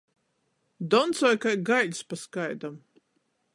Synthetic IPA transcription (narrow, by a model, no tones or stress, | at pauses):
d̪ɔnt̪sɔjkajɡajlʲspaskajd̪am